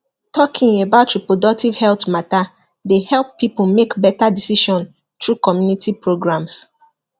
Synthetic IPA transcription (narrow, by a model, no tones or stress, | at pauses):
tʰɔkʰɪ̃ŋebaʊtɹipɹodɔk̚tiv̥hɛltmata | dehɛlˠppːipomekbɛtadisiʃɔ̃n | tɹukɔmjunitʰipɹoɡɹãms